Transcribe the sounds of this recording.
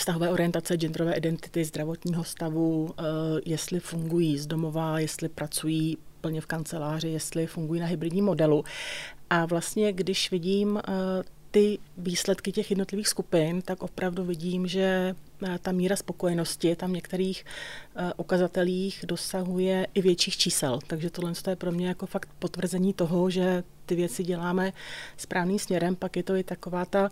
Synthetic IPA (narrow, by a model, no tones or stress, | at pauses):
fst̪aɦovɛːʔoɾɪjɛnt̪at͡sɛd͡ʒɛnd̪ɾovɛːʔɪdɛnt̪ɪ̥t̪ɪzd̪ɾavo̞t̪ɲiːɦo̞st̪avu | jɛst̪lɪfuŋɡujiːzdo̞mo̞vajɛst̪lɪpɾʔat͡sujiːpl̩ɲɛfkant͡sɛlaːr̝ɪjɛst̪lɪfuŋɡujiːnaɦɪbɾɪdɲiːmːo̞dɛluʔavlast̪ɲɛɡdɪʃvɪɟiːm | t̪ɪviːslɛt̪kɪcɛxjɛdno̞t̪lɪviːxskupɪnt̪akʔo̞pɾʔavduvɪɟiːmʒɛ | t̪amiːɾaspo̞ko̞jɛno̞scɪt̪amɲɛkt̪ɛɾiːx | ʔukazat̪ɛliːxdo̞saɦujɛʔɪvjɛtt͡ʃiːxt͡ʃiːsɛ̰lt̪aɡʒɛt̪odlɛnst̪ojɛpɾo̞mɲɛjako̞fakt̪̚po̞t̪vr̩zɛɲiːt̪o̞ɦo̞ʒɛt̪ɪvjɛt͡sɪɟɛlaːmɛspɾʔaːvniːmsmɲɛɾɛmpakjɛt̪o̞ɪt̪ako̞vaːt̪a